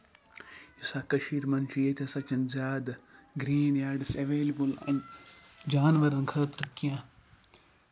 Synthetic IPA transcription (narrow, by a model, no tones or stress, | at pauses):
isaːkɐʃiːɾmɐnt͡ʃʰijet̪ʰʲɐsɐt͡ʃɐnzjaːd̪ɡɾiːnaːɖisɐʋeːlibulɐ̰̃nd͡ʒaːnʋɐɾɐnkʰɐːt̪ɾɨkːijãː